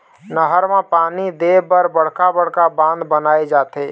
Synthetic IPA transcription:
nəɦəɾmãpaːnid̪ebəɾbəɽ̤kabəɽ̤kabãːnd̪bənaːed͡ʒaːt̪eː

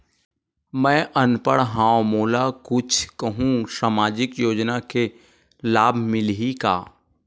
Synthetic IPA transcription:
mɛ̃ːʔənpəɽ̃ɦãːomoːlakʊt͡ʃʰkəɦũsaːmaːd͡ʒɪkjoːd͡ʒnake | laːbʱmɪlɦika̰ː

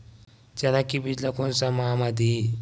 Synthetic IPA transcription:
t͡ɕanakibid͡ʒlakonsamaamad̪ʱi

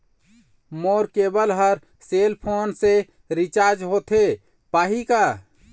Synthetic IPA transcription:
moːɾkebəlɦəɾ | selpʰoːnse | ɾit͡ʃaːɾd͡ʒɦot̪ʰe | paːɦika

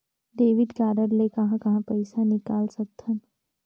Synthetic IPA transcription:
ɖeːʋɪɖkaːɖəɾlekɐɦãkɐɦãpɛɪsanɪkaːlsɐk̚t̪ʰɐn

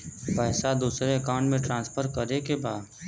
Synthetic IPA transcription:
pəːsad̪uːsɾeɐkaʊ̃ɳʈmẽʈɾãːnspʰəɾkəɾekebaːd̪

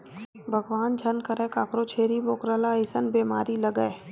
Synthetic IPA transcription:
bʱəɡʋaːnd͡ʒʱɐnkəɾẽkaːkɾot͡ʃʰeːɾiboːkɾəlaɪsənbeːmaːɾilɐɡəe

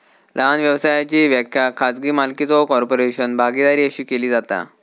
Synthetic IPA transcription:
laanʋjəʋsajat͡ɕiːʋjəkʰjakʰat͡sɡiːmalkit͡sɔkɔɾpoɾeɕənbʱaɡid̪aɾiːəɕiːkeliːd͡zat̪a̰

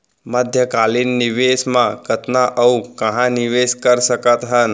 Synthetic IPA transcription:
məd̪ʱjəkalinːɪʋesmãkʰət̪naʔəukəɦãnɪʋeːskəɾsəkət̪ɦən

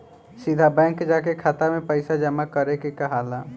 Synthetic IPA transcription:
sid̪ʱabɛ̃ːŋkd͡ʒaːk̬ekʰat̪amẽpəɪsad͡ʒəmakəɾekekaɦaːla

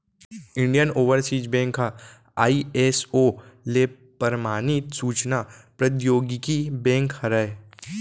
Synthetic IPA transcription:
ɪ̃ɳɖijənoːʋəɾsiːd͡ʒbɛ̃ːŋkɦa | aːieːsoːle | pəɾmaːnit̪suːt͡ʃnapɾɐt̪joːɡikibɛ̃ːŋkhɐɾəe

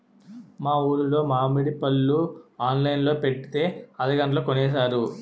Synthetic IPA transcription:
maːuːɾulo̞ːmaːmiɽipɐlːuaːnlɐjnlo̞ːpe̞ʈːi̥t̪e̞ːɐd̪ɐɡɐɳʈɐloːkonɛːsaːɾu

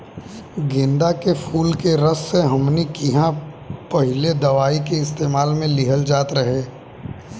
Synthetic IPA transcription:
ɡɪ̃nd̪akepʰuːlkeɾəsːeɦɐmnikiɦã | pɐɦɪled̪ɐʋaːikeɪst̪eːmaːlmẽlɪɦəld͡ʒaːt̪ɾɐɦeː

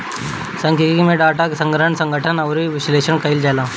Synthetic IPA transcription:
sɐ̃ŋkʰikimẽɖaːʈakesə̃ŋɡʱəʈʰəɳsɐ̃ŋɡʱəʈʰənɐwɾiʋɪsleːʃəɳkəild͡ʒaːlaː

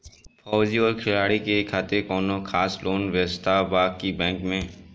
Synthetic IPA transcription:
fɔːd͡ʒiɔːɾkʰɪlaːɽikekʰaːt̪ekɔːnõkʰaːsloːnʋəst̪ʰabaːkkibɛ̃ːŋkmẽː

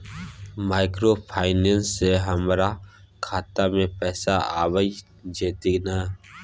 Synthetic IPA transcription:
maːɪkɾopʰaːɪnẽnsːeɦəmɾa | kʰaːt̪amẽpɛːsaaːwəi | d͡ʒeːt̪inaː

